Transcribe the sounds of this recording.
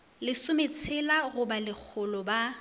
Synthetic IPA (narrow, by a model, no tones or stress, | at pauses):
lɪsʊmet͡sʰɪlaɣʊbalɪk͡xʰʊlɔba